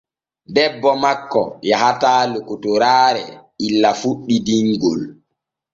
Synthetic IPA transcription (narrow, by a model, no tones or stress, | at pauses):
dɛbːɔmakːɔ̰jahataːlokotoɾaːɾɛilːafuɗːidiŋɡol